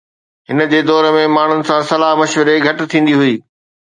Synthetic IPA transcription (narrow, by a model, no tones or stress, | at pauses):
ɦɪnə̆d͡ʑeːd̪ɔːɾmẽmaːɳ̤ʊnɪ̆sãsɐlaːɦmɐʃʋəɾeɡʱɐʈɪ̆t̪ʰĩːn̆d̪iɦʊiː